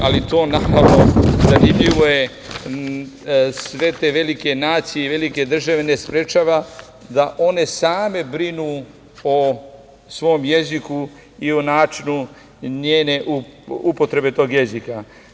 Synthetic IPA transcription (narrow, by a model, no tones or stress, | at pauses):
alit̪o̞ːnapaʋnozanimʎiʋoje | sʋe̞t̪eʋe̞like̞naːt̪sijeiʋe̞like̞d̪r̩ʒaʋe̞ne̞spɾet͡ʃaːʋa | d̪aʔo̞ne̞saːme̞bɾinuː | o | sʋo̞ːmje̞ziku | ionaːt͡ʃinu | ɲeːne̞ʔuupot̪ɾe̞be̞t̪o̞ːɡje̞zika